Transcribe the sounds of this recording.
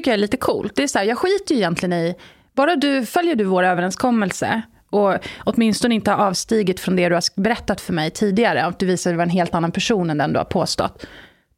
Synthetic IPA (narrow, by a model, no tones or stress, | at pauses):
ʏkːəjaɛɭiːt̪əkʰṵːlt̪̚d̪ɛːsɔhæːɾjɑːɡɧiːt̪əjɪjɛnt̪lɪɡənɪ | bɑːɾad̪ɵfœljəɖɵvoːɾøːvəɾɛnskʰɔmːɛlsə̰ | ɔɔt̪mɪnst̪ɔnəɪnt̪əhaɾɑːvst̪iːɡɪt̪fɾɔnd̪ɛd̪ɵhabɛɾɛt̪ːat̪fœɾmɛjt̪ʰiːd̪ɪɡaɾəɔd̪ɵviːsad̪vaɾɛnɦeːlt̪anːanpʰæʂuːnɛnd̪ɛnd̪ɵ̰ha̰ɾpʰoːst̪ɔ̰t̪ː